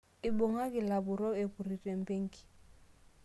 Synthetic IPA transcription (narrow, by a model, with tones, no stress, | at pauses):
ɪ˨bo˨ŋa˦kɪ˨la˨bʊ˨ɾɔ˦e˨pu˨ɾi˨tʼe˨m̩˨pe˦ŋ̩˦ki̥˨